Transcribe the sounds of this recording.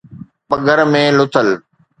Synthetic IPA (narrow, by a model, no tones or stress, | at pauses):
pɐɡʱəɾmẽːlʊt̪ʰəl